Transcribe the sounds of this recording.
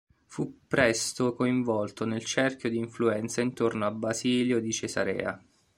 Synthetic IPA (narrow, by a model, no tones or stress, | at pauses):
fupːɾɛst̪okoiɱvɔlt̪onelt͡ʃɛrkʲjod̪iːɱfluɛnt̪saint̪ornoabːaziːljod̪it͡ʃeza̰ɾɛ̰ːa̰